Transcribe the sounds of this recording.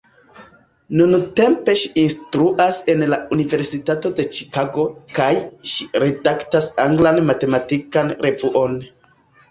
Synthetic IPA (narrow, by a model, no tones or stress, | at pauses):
nunte̞mpe̞ʃiinstɾuʔase̞nlaunive̞ɾsitato̞de̞t͡ʃi̥kaɡo̞kajʃiɾe̞daktasaŋɡlanmate̞matikanɾʔe̞vuʔo̞n